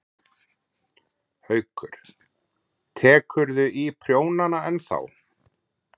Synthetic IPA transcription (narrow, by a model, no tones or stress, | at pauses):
hœɥkʏɾ̥ | t̪ʰɛːkʏɾðʏʔipʰɾjoːwnanaɛnθa̰w